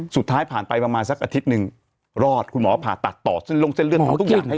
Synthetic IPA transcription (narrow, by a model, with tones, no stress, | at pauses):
su˨˩t̪ʰːaː˦˥jpʰaː˨˩npa˧jpɾa˧maː˧nsa˧˩k̚ʔa˧i˦˥t̪̚nɯ˨˧ŋ | ɾɔː˥˩t̪̚kʰu˧nmɔː˩˦˧pʰaː˨˩t̪a˨˩t̪ːɔ̰ː˨˩se˥˩nlo˧˥˧ŋse˥˩nlɯ˥˩˨kːt̪ʰkja˨˩ha˥˩